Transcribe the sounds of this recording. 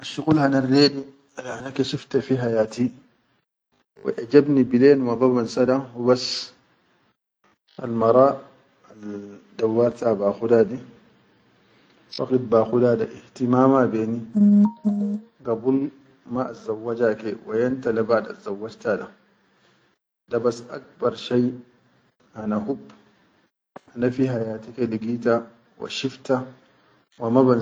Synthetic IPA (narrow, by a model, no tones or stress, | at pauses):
ʔaʃukulhanarːedi | ʔanakeʃift̪afiɦajaːt̪i | wḭʔad͡ʒabnibileːnwɑðˤɑbansadahubas | a̰lmɑɾˤɑ | ald̪awːaɾt̪abaːxudadi | fa̰qid̚baxudadaʔiht̪imaːmabeːni | ɡabul | maʔazawːad͡ʒakewajantalabada̰zawːad͡ʒtada | dabasʔak̚bɑɾˤʃaj | hanahub | ʔanafiɦajaːtikeliɡita | wa̰ʃifta | wamaban